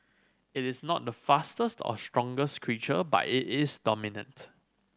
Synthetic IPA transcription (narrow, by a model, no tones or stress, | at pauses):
ɪtɪsnɔt̚dəfastəstʰɔ̰stɹɔ̃ŋɡəskʰɹit͡ʃəba̰tɪʔɪsdɔminə̰̃nt